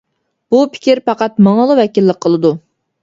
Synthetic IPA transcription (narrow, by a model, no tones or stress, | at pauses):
b̥upʰɪ̥kʲiɾpʰɑqɑt̪mɑŋɑlˠɨwɛkʲilːəq̚qʰːəlˠɨd̪u